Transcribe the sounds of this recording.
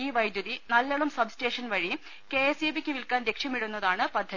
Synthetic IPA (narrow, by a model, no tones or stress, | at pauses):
iːʋɐjd̪ʱjuðinɐlːɐɭumsɐbsʈe̞ːʂɐnʋɐɻi | keːesjebikʲːɨʋilkaːnd̪ekʂjɐmiɽunːɐðaːɳɨpɐd̪ʱːɐi